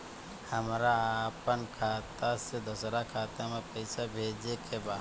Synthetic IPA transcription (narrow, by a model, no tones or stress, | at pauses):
həmɾaapənkʰaːt̪ased̪ʊsɾakʰaːt̪amepəɪsabʱeːd͡ʒekebaː